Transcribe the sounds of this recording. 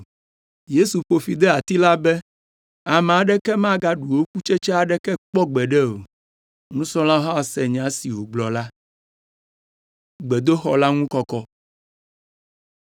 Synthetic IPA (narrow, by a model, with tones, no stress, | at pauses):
je˦su˨ɸo˨fi˨d̪ɛ˦a˨t̪i˦la˦bɛ˦ | a˨mɛ̃˨a˨ɖɛ˦kɛ˦mã˦ɡa˦ɖu˨wo˦ku˦t͡ʃɛ˦t͡ʃɛ˦a˨ɖɛ˦kɛ˦k͡pɔ˦ɡ͡bɛ˨ɖɛ˦o˨ | ŋũ˦sɔ̃˦lã˦ɦa˦˨sɛ˨ɲ˨ã˨˦si˨wo˨ɡ͡blɔ˨la˦ | ɡ͡bɛ˨d̪o˦xɔ˨la˦ŋũ˦kɔ˦kɔ˦